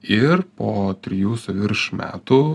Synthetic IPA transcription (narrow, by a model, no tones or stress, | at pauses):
ɪɾpoːt̪ʲɾʲɪjuːsɐʋʲɪɾʃmʲæ̰ːt̪u